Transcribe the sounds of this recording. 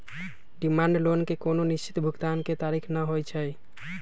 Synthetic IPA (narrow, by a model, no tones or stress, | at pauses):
ɖimãɳɖlonkekononist͡ʃi̥t̪bʱuɡt̪anket̪aɾikʰnəɦojt͡ʃʰəj